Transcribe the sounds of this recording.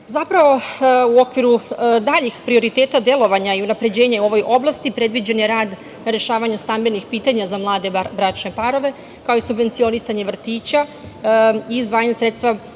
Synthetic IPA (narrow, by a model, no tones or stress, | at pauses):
zapɾaʋo̞uo̞kʋiɾud̪aʎixpɾio̞ɾit̪e̞ːt̪ad̪je̞lo̞ʋaɲaiunapɾe̞d͡ʑe̞ːɲauo̞ʋo̞jʔo̞blˠast̪ipɾe̞d̪ʋid͡ʑenjeɾaːd̪ | naɾeʃaːʋaɲust̪ambe̞nixpiːt̪aɲazamlˠaːd̪ebɾat͡ʃne̞paɾo̞ʋe̞ | kao̞isubʋent̪sio̞nisaɲe̞ʋr̩t̪iːt͡ɕa | izʋaːɲasɾe̞t̪st̪ʋa